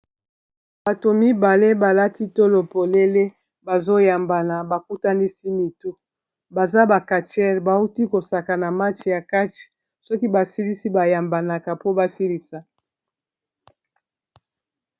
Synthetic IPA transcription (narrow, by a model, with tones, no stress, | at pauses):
ba˨to˨mi˦ba˨le˦ba˨la˦ti˦to˦lo˨po˨le˦le˦ | ba˨zo˦ja˨mba˨na˨ba˨ku˦ta˦ni˦si˦mi˨tu˦ | ba˨za˦ba˨ka˨t͡ʃɛ˦ʁba˨u˦ti˦ko˨sa˨ka˨na˨ma˦t͡ʃja˨ka˦t͡ʃ | sɔ˦ki˦ba˨si˦li˦si˦ba˨ja˨mba˨na˨ka˨po˦ba˦si˦li˨sa˨